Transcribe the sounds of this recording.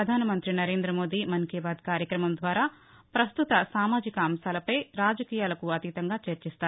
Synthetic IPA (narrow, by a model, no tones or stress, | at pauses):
ɐd̪ʱaːnɐmɐnt̪ɾinɐɾe̞ːnd̪ɾɐmo̞ːd̪iːmɐnkɛːbaːd̪kaːɾjɐkɾɐmɐmd̪ʋaːɾaː | pɾɐst̪ut̪ɐsaːmaːd͡ʒikɐaːmsaːlɐpɐjɾaːd͡ʒɐkiːjaːlɐkuɐt̪it̪ɐŋɡaːt͡ʃɐɾt͡ʃist̪aːɾu